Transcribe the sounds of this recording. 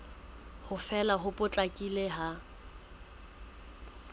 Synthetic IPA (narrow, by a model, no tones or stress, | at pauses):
hʊfɛlaɦʊpʼʊt͡ɬʼakʼileɦa